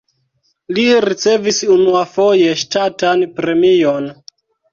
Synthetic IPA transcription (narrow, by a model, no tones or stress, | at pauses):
liɾit͡se̞visunuafo̞je̞ʃtatanpɾe̞mion